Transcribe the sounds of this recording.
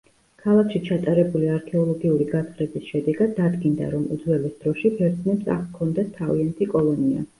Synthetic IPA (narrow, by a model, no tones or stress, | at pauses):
kʰalˠakʃit͡ʃʰat̪ʼaɾɛbuliaɾkʰɛɔlˠɔɡiuɾiɡat̪ʰχɾɛbisʃɛd̪ɛɡad̪ːad̪ɡind̪a̰ɾɔmṵd̪zwɛlisd̪̥ɾɔʃipʰɛɾt̪nɛpsa̰kʰɔnd̪at̪ʰːaviant̪ʰikʼɔlˠɔnia̰